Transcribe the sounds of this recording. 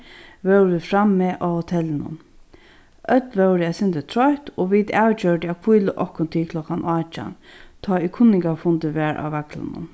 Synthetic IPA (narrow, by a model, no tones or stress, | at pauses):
ʋɛwɾɪfɾamːeːʔahʊt̪ʰɛlːnʊ̰n | ʔœt̪ʋɛwɾɪasɪnt̪ət̪ʰɾɔht̪oʋit̪awt͡ɕœɖɪakʰujləʔɔhkʊnt̪ʰɪkʰlɔkanʔɑːt͡ʃa̰nt̪ʰɔːikʰʊnːɪŋkafʊnt̪ɪʋɛːɹʔa̰ːwʋakla̰nʊ̰n